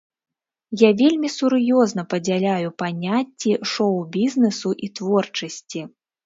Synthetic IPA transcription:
javʲelʲmʲisuɾjɔznɐpɐd͡zʲalʲajupanʲat͡sʲːiʂɔwbʲiznɛsuʔit̪vɔrt͡ʂɐsʲt͡sʲi

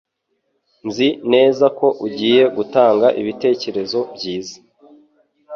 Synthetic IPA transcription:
nzine̞ːzako̞ʔuɟiːje̞ɡutaːŋɡaʔiβite̞ːce̞ɾe̞zo̞bɟiːzḁ

